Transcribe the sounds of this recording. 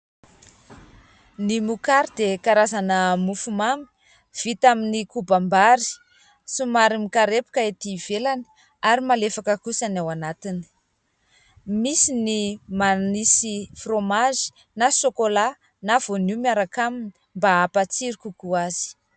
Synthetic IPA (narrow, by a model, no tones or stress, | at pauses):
nimukaɾid̪ekaɾazanəmufumami̥ | v̥it̪aminikubambaɾi̥ | sumaɾimikaɾepu̥kaet̪iv̥elani̥ | aɾimalefakəkusanawanat̪ini̥ | misinimanisifromaʒi̥ | nasokola | nav̥onumiaɾakamini̥ | mbaapat͡siɾikukuaz̥i̥